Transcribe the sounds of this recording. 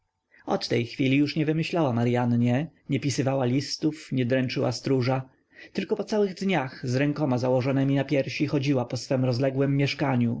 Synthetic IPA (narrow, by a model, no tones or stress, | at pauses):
ɔt̪ːɛjxfʲilʲijuʂɲɛvɘmɘɕlawamaɾjanɲɛɲɛpʲisɘvawalʲist̪ufɲɛd̪ɾɛnt͡ʂɘwa̰st̪ɾuʐa | t̪ɘlkɔpɔt̪sawɘɣd̪ɲaxzɾɛŋkɔmazawɔʐɔnɛmʲinapʲjɛɾɕixɔd͡ʑiwapɔsfɛmɾɔzlɛɡwɛmːjɛʂkaɲu